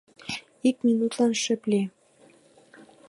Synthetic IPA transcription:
ik̚mʲinut̪lɑnʃɘ̆ple

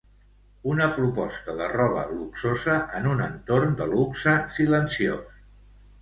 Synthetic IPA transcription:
unəpɾupɔst̪əðərɔβə̰luksozəʔənunənt̪oɾnd̪əluksəsilənsio̰s

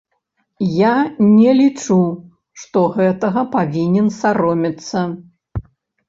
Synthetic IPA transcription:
janʲɛlʲit͡ʂu | ʂt̪ɔɣɛt̪ɐɣɐpavʲinʲɛnsaɾɔmʲit̪sːɐ

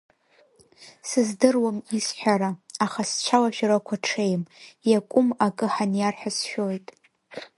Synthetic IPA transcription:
sɨzdɨrwamisħʷᶣaɾaaχast͡ʃʷʰalaʃᶣaɾakʷʰaʈ͡ʂʰejmjakʷʼʊmakʼɨħanjarħʷᶣasʃᶣojtʼ

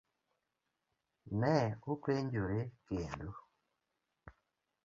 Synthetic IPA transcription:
nɛokweɲd͡ʒoɾekendo

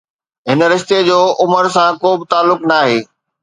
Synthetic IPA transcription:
ɦɪnəɾɪʃt̪ed͡ʑoːʊməɾsãkoːbɪt̪aːlːʊknaːɦeː

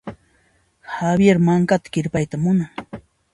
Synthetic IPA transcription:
habjeɾmaŋkat̪ḁkɪɾpajt̪amʊnaŋ

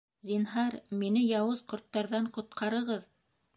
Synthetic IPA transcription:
zʲinɦɑɾminɘjɑwɤzqŏɾt̪ːɑɾðɑɴqŏt̪̚qʰɑɾɤ̆ʁɤð

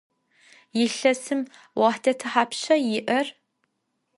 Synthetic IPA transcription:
jɪɬɐsɨm | wɑħdʰɐtʰɨħaːpɕɐjɪʔɐr

